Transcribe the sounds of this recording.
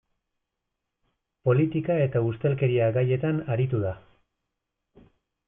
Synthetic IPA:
po̞lit̪ikae̞t̪aust̪e̞lke̞ɾiaɡaje̞t̪anaɾit̪uða

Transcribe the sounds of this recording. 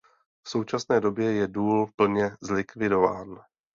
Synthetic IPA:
fso̞wt͡ʃasnɛːdo̞bjɛjɛduːlpl̩ɲɛzlɪkvɪdo̞va̰ːn

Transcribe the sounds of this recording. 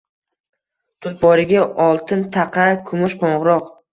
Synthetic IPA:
t̪ʰʊnt̪̚bɒɾɪɡʲaɒlˠt̪ʰɪnt̪ʰɑqʰɑkʰʊmʊʃqʰoɴʁɾɒq

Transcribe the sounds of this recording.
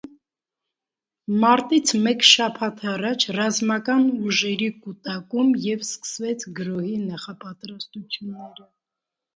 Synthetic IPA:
mɑɾt̪it͡sʰmɛkʃɑpʰɑt̪ʰɑrɑt͡ʃʰrɑzmɑkɑnuʒɛɾikut̪ɑkumjɛvskə̥svɛt͡sʰɡəɾɔhinɑχɑpɑt̪ɾɑst̪ut͡sʰjunːɛɾə

